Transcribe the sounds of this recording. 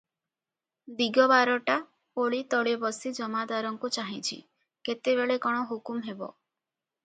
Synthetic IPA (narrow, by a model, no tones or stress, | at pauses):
d̪iɡɔbaɾɔʈa | oɭit̪ɔɭebɔsid͡ʒɔmad̪aɾɔŋkut͡ʃaɦĩt͡ʃʰḭ | ket̪ebeɭekɔɽ̃ɔɦukumɦebɔ̰